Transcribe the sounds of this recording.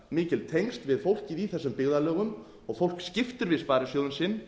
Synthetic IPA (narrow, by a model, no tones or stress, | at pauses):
mɪːcɪlt̪ʰejŋst̪vɪðfowl̥cɪðiθɛsːʏmpɪɣðalœːɣʏm | ɔɣfowl̥kscɪft̪ʏɾvɪðspaːɾɪsjoːwðʏnsɪnː